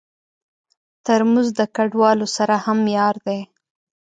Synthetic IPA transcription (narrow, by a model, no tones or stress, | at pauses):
t̪əɾmuzd̪əkaɖwɑlosaɾahamjɑɾd̪e